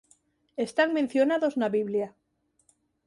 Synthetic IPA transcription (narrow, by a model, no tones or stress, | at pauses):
e̞st̪aŋmen̟θjo̞naðo̞znaβiβlja